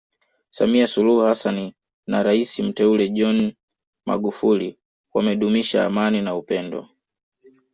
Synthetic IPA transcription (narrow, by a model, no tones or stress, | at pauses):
samiasuluhuhasani | naɾaisim̩tɛulɛʄɔn | ma̰ɡufuli | wamɛɗumiʃa̰ːmaninaupɛndɔ̰